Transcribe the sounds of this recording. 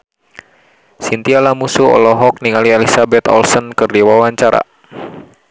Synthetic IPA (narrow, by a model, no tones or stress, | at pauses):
sint̪ialamusuɔ̰lɔɦɔk̚niŋalielisabɛt̪ɔ̰lsɔnkɨrdiwawaɲt͡ʃaɾa̰